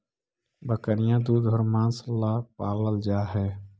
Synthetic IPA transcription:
bəkəɾɪjãd̪uːd̪ɦʊɾmãːnslaːpaːləld͡ʒaːɦɛː

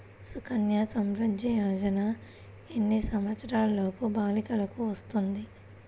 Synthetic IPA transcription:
sukʰɐnjasɐmɾɐd̪jɐjoːd͡ʒɐna | enːisɐmʋɐt̪sɐɾaːlloːkubaːlikɐlɐkuʋɐst̪und̪i

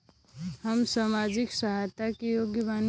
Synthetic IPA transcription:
həmsaːmad͡ʒiksəɦat̪akijoɡjəbaːn

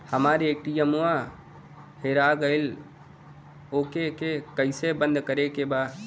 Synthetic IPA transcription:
həmaːɾek̚ʈijəmuã | heɾaɡəɪl | oːkekekəɪsebə̃nd̪ʱkəɾekebaː

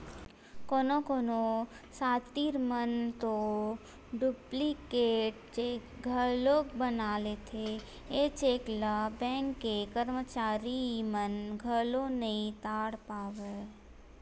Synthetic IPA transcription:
koːnokoːno | saːt̪iːɾmənt̪o | ɖuplikeːʈ̚t͡ʃeːkɡʱəloːkbənaːlet̪ʰe | eːt͡ʃeːklabɛ̃ːŋkːekəɾmət͡ʃaːɾimənɡʱəlonəɦĩt̪aːɽpaːʋeː

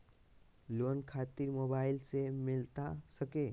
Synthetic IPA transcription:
lonkʰat̪iɾmobailsemilt̪asəke

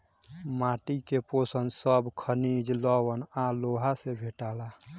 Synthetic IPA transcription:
maːʈikeposənsəbkʰənid͡ʒlɔwənaloɦasebʱeʈala

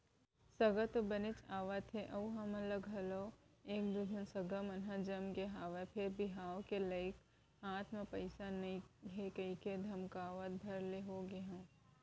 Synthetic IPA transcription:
sɐɡət̪obənɪt͡ʃaːʋət̪ʰeʔɐuɦɐmɐləɡɦɐloːeːk̚d̪ʊbʱʊnsɐɡəmɐnɦãd͡ʒɐmkeɦaːʋepʰɪɾbɪɦaːokeləɪk | ɦaːt̪ʰmẽpɐɪsanɐĩɦekɐiked̪ʱɐmkaːʋət̪̚bʱɐɾleɦoːɡeɦã

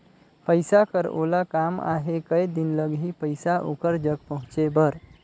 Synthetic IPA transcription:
pəjsakəɾo̰lakama̰ɦekəjd̪inləɡɦipəjsaʔokəɾd͡ʒəɡ̚pəɦʊ̃t͡ʃebəɾ

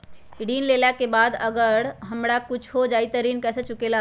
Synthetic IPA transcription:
ɽiːnlelakebaːd̪əɡəɽɦəmɽakʊt͡ʃʰɦod͡ʒaːit̪əɾiːnkɛːset͡ʃʊkela

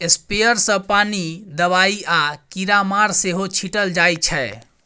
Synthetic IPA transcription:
espejəɾsə̃panid̪əβaiakiɾamaɾseɦot͡ʃʰiʈəld͡ʒajt͡ʃʰɛ

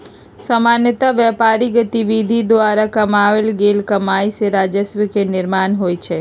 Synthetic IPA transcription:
səmanjət̪aʋɛpaɾiɡət̪iʋid̪ʱid̪ʋaɾakəmaʋelɡelkəmaiseɾad͡ʒəsʋəkenɪɾmanɦojt͡ʃʰe

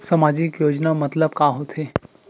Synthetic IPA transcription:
sɐmaːd͡ʒɪkjoːd͡ʒnamɐt̪ləb̚kaːɦot̪ʰeː

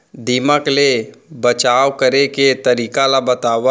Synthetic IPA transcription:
d̪iːməklebət͡ʃaːwkəɾeket̪ɐɾiːkalabət̪aːʋ

